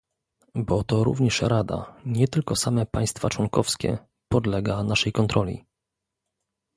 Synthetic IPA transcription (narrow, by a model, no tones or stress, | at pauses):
bɔt̪ɔɾṵvɲɛʂɾad̪a̰ɲɛt̪ɘlkɔsamɛpaj̃st̪fat͡ʂwɔŋkɔfskʲɛ̰ | pɔd̪lɛɡanaʂɛjkɔnt̪ɾɔlʲḭ